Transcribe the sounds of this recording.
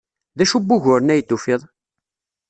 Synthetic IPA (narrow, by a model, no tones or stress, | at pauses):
ðæʃubːʊʝʊɾnæjt̪ːufɪðˤ